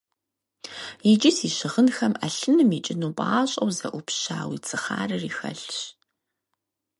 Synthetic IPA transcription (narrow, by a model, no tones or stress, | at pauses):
jid͡ʒɪsiːɕɪʁənxɐmʔɐɬɨnɨmit͡ʃʼɪnuːpʼaːɕʼɐwzɐ̰ʔʷʊpɕa̰ːwḭːt͡sʰɨχa̰ːrɨriːxɐ̰ɬɕ